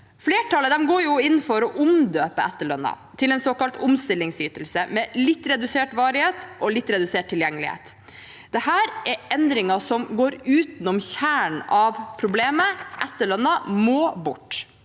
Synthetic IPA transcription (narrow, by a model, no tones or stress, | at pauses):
fleːʈʰɑləd̪ɛmɡoːɾjʊɪnːfɔɾɔʔʊmd̪øːpəæt̪ːəɭœnːɑ̰ | t̪ʰɪlɛːnsoːkɑlt̪ʊmst̪ɪlːɪŋsyːt̪əl̩səmɛlɪt̪ːɾɛd̪ʉseːʈʋɑːɾɪheːt̪ʔɔlɪt̪ːɾɛd̪ʉseːʈ̚t̪ʰɪljɛŋːəlɪ̰hḛːt̪ | d̪ɛhæːɾɛɾʔɛnd̪ɾɪŋɑsɔmɡoːɾʉːt̪nʊmçæːɳɑʋpʰɾʊbleːməʔæt̪ːəɭœnːɑmoːbʊʈː